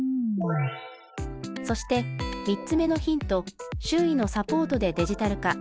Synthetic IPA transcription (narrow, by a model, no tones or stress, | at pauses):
so̞ɕi̥t̪e̞mʲitt͡sɨme̞no̞çĩnt̪o̞ɕɨːino̞sapo̞ːt̪o̞d̪e̞d̪e̞ʑit̪aɾɯ̟ka